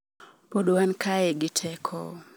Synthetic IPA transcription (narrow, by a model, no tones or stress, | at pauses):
poɗwankʰajɛɡɪtʰɛkʰɔ̰